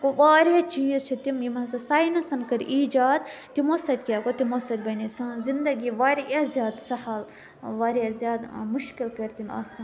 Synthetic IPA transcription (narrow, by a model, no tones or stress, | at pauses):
koʋaːɾɐt͡ʃiːzt͡ʃʰit̪imjimɐsɐsaːjnɐsɐnkɐɾʲʔiːd͡ʒaːd̪t̪imosɐt̪ʲkʲaːkot̪imosɐt̪ʲbɐnisɐ̃zind̪ɐɡiʋaːɾazʲjaːd̪sɐhɐl | ʋaːɾazʲjaːd̪muʃkilkɐɾʲt̪ima̰ːsɐn